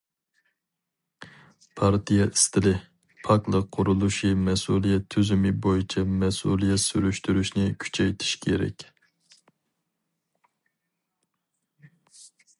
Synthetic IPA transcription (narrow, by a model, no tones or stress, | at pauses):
pʰɑɾt̪ʰijɑʔist̪ɪlɪ | pʰɑklˠəqqʰːʊɾulˠuʃimɛsulˠijɛt̪ʰːyzymɪbojit͡ʃʰɛmɛsṵlˠijɛt̪syɾyʃt̪yɾyʃnɪkʲʰy̥t͡ʃʰɛjt̪ʰi̥ʃkʲʰeɾɛ̰kʲ